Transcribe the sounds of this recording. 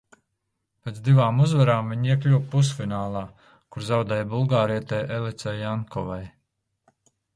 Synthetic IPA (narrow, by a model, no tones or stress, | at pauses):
pʲeːt̪d̪ivaːmuzvaɾaːmviɲiɛklʲuwpus̬finaːlˠaː | kuɾzawd̪ɛːjbulˠɡaːɾiɛt̪ɛjʔelˠit̪sɛjaŋkɔvaj